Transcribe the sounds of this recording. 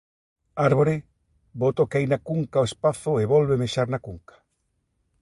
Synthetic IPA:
aɾβ̞oɾe | bot̪okeajnakuŋkaoespaθʊeβɔlβemeʃaɾnakuŋkḁ

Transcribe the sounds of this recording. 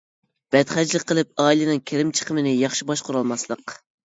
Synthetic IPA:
b̥ɛt̪χæd͡ʒlˠɨk̚ʲqʰːəlˠɨp̚ɑːilɪnɨŋkʲʰeɾɪmt͡ʃʰə̥qʰəmɪnɪjɑχʃibɑʃqʰʊɾɑlˠmɑslˠəq

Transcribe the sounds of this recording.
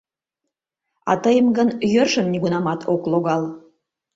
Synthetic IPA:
ɑ̰t̪əjəmɡənjørʃəmnʲiɣunɑmɑt̪ʰokloɣɑl

